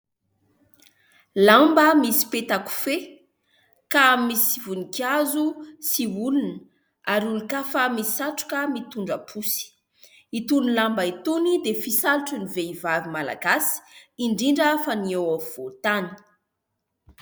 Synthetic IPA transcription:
lambəmisi̥pet̪aku̥fe | kamisivunikazusiulunə | aɾulukafəmisi̥saʈ͡ʂu̥kəmit̪uɳɖ͡ʐapʰusi̥ | it̪unilambəit̪unid̪efisaluʈ͡ʂəniveivavimala̰ɡasi̥iɳɖ͡ʐiɳɖ͡ʐəfaniewav̥ot̪ani̥

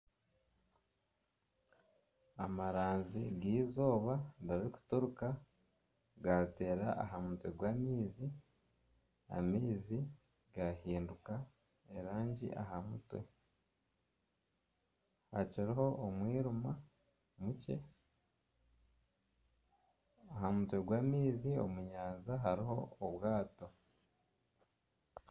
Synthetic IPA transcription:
amaɾaːnziɡiːzo̞ːβadaiku̥toɾuka | ɡate̞ːɾaʔa̰ɦamutwe̞ɡwaːmiːzi | a̰miːzi | ɡahiːnduka | eɾaːɲɟḭʔa̰hamutwe̞̰ | haciɾiɦo̞ʔːmwiːɾuma | muce̞̰ | aɦamutwe̞ɡwaːmiːzio̰muɲaːnzaɦaɾiɦo̞oβwaːto̞

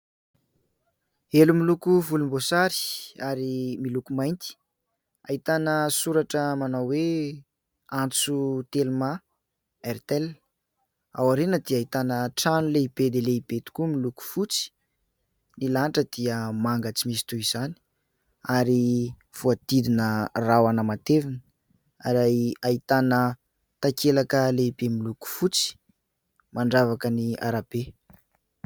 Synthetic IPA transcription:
elumilukuvulumbosaɾi̥aɾimilukumajnt̪i̥ | ait̪anəsuɾaʈ͡ʂəmanawwe | ant͡sut̪elma | ɛrt̪ɛl | awaɾenəd̪iait̪anəʈ͡ʂanuleibed̪eleib̥et̪u̥kumiluku̥fut͡si̥ | nilanʈ͡ʂəd̪̥iəmaŋɡat͡simisi̥t̪uiz̥ani̥ | aɾi | fuad̪̥id̪inərawanəmat̪evinə | aɾajait̪anə | t̪akelakəleibemiluku̥fut͡si̥ | maɳɖ͡ʐavakənia̰ɾab̥e

